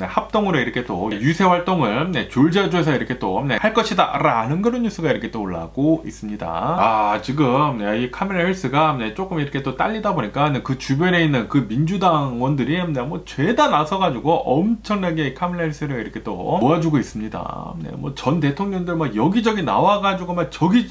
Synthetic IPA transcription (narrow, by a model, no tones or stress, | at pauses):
ne̞hap̚t͈oŋɯɾiɾʌkʰe̞t͈o̰ijusʰe̞waɭt͈oŋɯɭne̞t͡ɕoɭd͡ʑad͡ʑoes̬ʰʌiɾʌkʰe̞t͈one̞haɭk͈ʌɕʰida̰ɾanɯnkɯɾʌnjus͈ʰɯɡaiɾʌkʰe̞t͈ooɭːa̰ɡ̥oḭs͈ɯmɲida̰at͡ɕiɡɯmneikʰameɭaiɭs͈ɯɡane̞t͡ɕ͈ok͈ɯmiɾʌkʰet͈ot͈a̰ʎːidaboɲik͈anekɯt͡ɕubjʌne̞inːɯnkɯmind͡ʑudaŋwʌndɯɾinemwʌt͡ɕwe̞danasʰʌɡad͡ʑuɡoʔʌmt͡ɕʰʌŋnaɡe̞ikʰameɭaiɭs͈ɯɾɯɭiɾʌkʰe̞t͈o̰oad͡ʑuɡois͈ɯmɲida̰nḛmwʌt͡ɕʌnte̞tʰoŋɲʌŋdɯɭmakjʌɡid͡ʑʌɡina̰waɡad͡ʑuɡomak̚t͡ɕʌɡi